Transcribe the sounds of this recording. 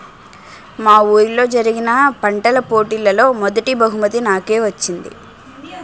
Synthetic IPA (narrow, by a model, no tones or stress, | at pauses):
maːuːɾlo̞ːd͡ʒɐɾiɡinɐpɐɳʈɐlɐpoːʈiːlɐlo̞ːmɔd̪ɐʈibɐɦumɐt̪inaːke̞ːʋɐt͡ʃːind̪ḭ